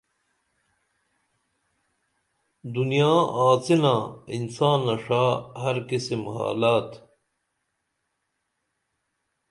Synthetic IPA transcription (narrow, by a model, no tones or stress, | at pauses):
d̪unijaːaːt͡sinaːinsaːnːɐʂaːhɐɾkisimha̰ːlaːt̪